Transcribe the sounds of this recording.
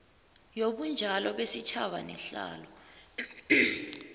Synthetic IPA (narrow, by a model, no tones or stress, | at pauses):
jok̬und͡ʒʱalɔɓesit͡ʃʰaɓanɛɬa̰ːlɔ